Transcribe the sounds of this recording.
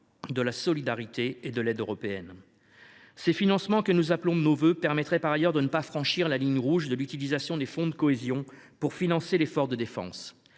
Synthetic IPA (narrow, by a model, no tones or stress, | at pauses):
d̪əlasɔlid̪aʁit̪eːd̪əlɛd̪øʁɔpeɛn | sefinɑ̃smɑ̃kənuzaplɔ̃d̪ənovøpɛʁmɛt̪χɛpaʁajœʁd̪ənəpafχɑ̃ʃiʁlaliɲʁuʒd̪əlyt̪ilizasjɔ̃d̪efɔ̃d̪əkɔezjɔ̃ | puʁfinɑ̃selefɔʁd̪əd̪efɑ̰̃s